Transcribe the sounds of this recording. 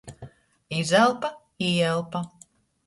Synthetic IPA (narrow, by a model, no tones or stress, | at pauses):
izɛlˠpa | ijɛlˠpa